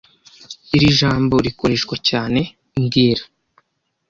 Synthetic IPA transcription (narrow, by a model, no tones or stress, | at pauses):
iɾiʒaːmbo̞ɾiko̞ɾe̞ʃkwacaːne̞ | ŋɡiːɾḁ